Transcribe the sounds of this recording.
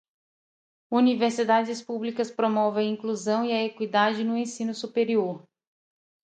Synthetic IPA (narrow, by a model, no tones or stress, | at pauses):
univeɾsid̪ad͡ʒɪspublikɐspɾomɔvɪ̃ɐĩkluzɐ̃w̃iɐekwid̪ad͡ʒɪnʊẽsĩnʊsupeɾioɾ